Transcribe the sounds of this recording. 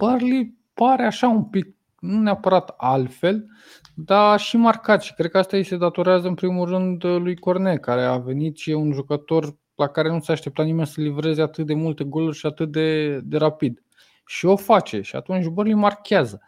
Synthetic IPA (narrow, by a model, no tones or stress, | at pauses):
b̥ərli | paɾeaʃaumpik | nuneapəɾat̪alt̪fe̞l | d̪aʃimarkat̪ʃi̥kɾed̪̚kəast̪ajise̞d̪at̪o̞ɾeazəɨnpɾimulrɨnd̪lujko̞rne̞kaɾe̞ave̞nit̪ʃijeunʒukət̪o̞r | lakaɾe̞nusaːʃt̪e̞p̚t̪at̪nime̞nʲsəlivɾe̞ze̞at̪ɨt̪̚d̪e̞mult̪e̞ɡo̞lurʲʃiat̪ɨt̪̚d̪e̞d̪e̞ɾapid̪ | ʃio̞fat͡ʃe̞ʃia̰t̪unt͡ʃbərlimarkʲeazə